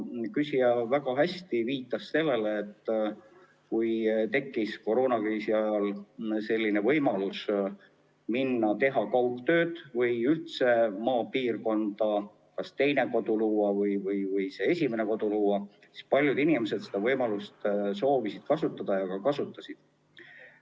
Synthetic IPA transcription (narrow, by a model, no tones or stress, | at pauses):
kysiɑvæɡ̥ɑɦæst̪iviːt̪ːˑɑsːe̞lːe̞leːt̪ː | kujt̪e̞kːisko̞ɾo̞ːnɑkriːsiɑjɑlse̞lʲːine̞vɤjmɑlus | minːɑt̪e̞ɦɑkɑwkt̪ø̞ːd̪̥vɤjylt̪se̞mɑːpiːrko̞nd̪̥ɑ | kɑst̪e̞jne̞ko̞d̪̥uluːɑvɤjvɤjvɯjsee̞sʲime̞ne̞ko̞d̪̥uluːɑ | si̥spɑlʲjud̪inimese̞d̪sed̪̥ɑvɤjmɑlust̪so̞ːvisid̪̥kɑsut̪ːˑɑd̪̥ɑjɑkɑkɑsut̪ːˑɑsid̪̥